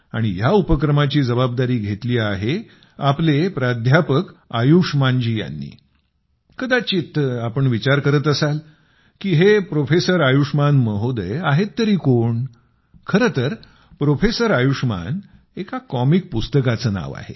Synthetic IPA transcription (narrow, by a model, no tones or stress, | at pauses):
a̰ɽ̃ijaupəkɾəmat͡ɕiːd͡zəbab̚d̪aɾiːɡʱet̪liːaɦe | aplepɾad̪ʱjapəkajuʂmand͡ʑiːja̰nːḭː | kəd̪at͡ɕit̪ːəapəɳʋit͡ɕaɾkəɾət̪əsal | kiːɦepɾofesəɾajuʂmanməɦod̪əjaɦet̪ːəɾiːkoɳ | kʰəɾət̪əɾ | pɾofesəɾajuʂma̰n | ekakɔmik̚pust̪əkat͡səːna̰ʋa̰hḛ